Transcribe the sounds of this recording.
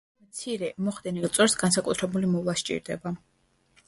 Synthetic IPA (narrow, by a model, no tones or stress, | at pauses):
mt̪sʰiɾɛmɔχd̪ɛnilˠt̪sʼɛɾsɡansakʼut̪ʰɾɛbulimɔvlˠaʃt͡ʃʼḭɾd̪ɛba